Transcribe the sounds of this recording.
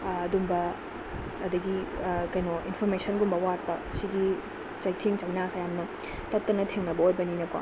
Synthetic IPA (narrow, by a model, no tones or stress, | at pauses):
ɐdumbɐː | dɐɡikɐjnoʔinpʰoɾmesɐnɡumbɐwat̚pɐsiɡi | t͡ʃɐjtʰeŋt͡ʃɐjnasajamnɐ | tɐtːɐnɐtʰeŋnɐbɐojbɐninɐkwa̰